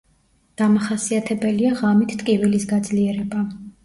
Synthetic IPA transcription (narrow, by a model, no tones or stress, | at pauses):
ɡ̪̥amaχasiat̪ʰɛbɛliaʁamit̪ʰt̪ʼkʼivilisɡad̪zliɛɾɛba